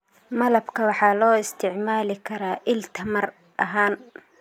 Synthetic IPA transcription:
mɐlɐbkʰɐwɑħɑːlɔːɪst̪ʰɪʕmaːlɪkʰɐɾaːʔɪlt̪ʰɐmɐr | ɐɦaːn

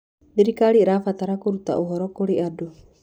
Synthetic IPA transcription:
biɾikaɾiɾafat̪aɾakuɾut̪a̰ʔuɦɔɾɔkɔɾiʔadu

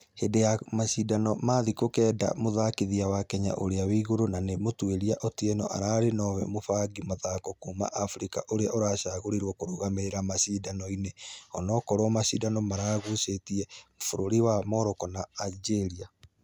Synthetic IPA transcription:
hedejamasidanɔmaðikokɛda̰moðakiðiawakɛɲa̰ʔoɾeawiːɣoɾonanemotweɾiaʔɔtiɛnɔʔaɾaɾenɔwɛ̰mofaɡimaðakɔkuma̰ʔafɾika̰ʔoɾeaʔoɾaːʃaɣoɾiɾwɔkoɾoɣameɾeɾamasidanɔineɔnɔkɔɾwɔmasidanɔmaɾaːɣusetiɛmofoɾoɾiwamɔɾɔkɔnaːd͡ʒeɾia

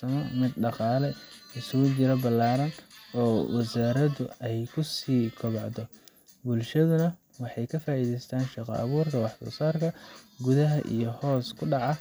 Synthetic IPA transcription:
ɐmɔmɪd̪ɖɑqɑːlɛɪsʊɣʊt͡ʃɪɾɐbɐlːaːɾɐnɔːwɑsaːɾɐðʊɛjkʰʊsiːkʰɔβɑʕðɔ | bʊlʃɐðʊnɐ | wɑħɑjkʰɐfaːʔiːðɛjst̪ʰaːnʃɑqɔ̰ʔɐ̰βuːrkʰɐwɑħtʊ̰saːrkʰɐɡʊðɐɦɐʔḭjɞhɔːskʰʊɖɑʕɑ

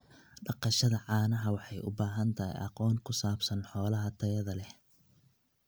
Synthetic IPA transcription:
ɖɑqɑʃɐðɐʕɑːnɐɦɐwɑħɑjʊ̰baːɦɐnt̪ʰɐɦḭjʔɑ̰qɔːŋkʰʊsaːbsɐnħɔːlɐɦɐt̪ʰɐjɐðɐlɛ

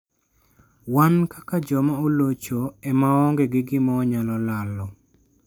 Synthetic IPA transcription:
wankakad͡ʒɔmaolot͡ʃoɛmaɔŋɡeɡɪɡɪmaːɲalɔlalɔ

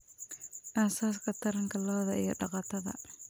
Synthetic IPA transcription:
ʔaːsaːskʰɐt̪ʰɐɾɐŋkʰɐlɔːðɐijɞɖɑqɑːt̪ʰɐðɐ̰

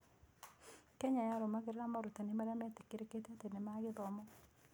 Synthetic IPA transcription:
keɲajaɾomaɡɪɾeamaɾutanɪmaɾamatekeɾeketetenemaɡɪðɔmɔ

